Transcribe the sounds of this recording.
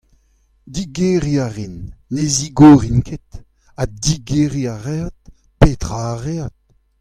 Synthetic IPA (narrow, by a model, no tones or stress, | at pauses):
d̪iɡeʁiaʁinːeziɡoʁinkʰet̪ | ad̪iɡeʁiaʁeat̪̚ | peːt̪ʁaːʁeat̪̚